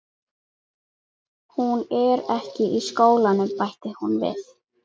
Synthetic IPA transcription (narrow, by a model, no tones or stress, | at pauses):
hunɛɾɛhcɪʔiskoːwlanʏmpajht̪ɪhunvɪ̰θ